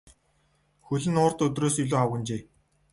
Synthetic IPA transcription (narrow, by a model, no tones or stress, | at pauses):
xɵɮɘ̆nʊːrt̪ɵt̪̬roːsiɮoːawɣə̆nt͡ɕeː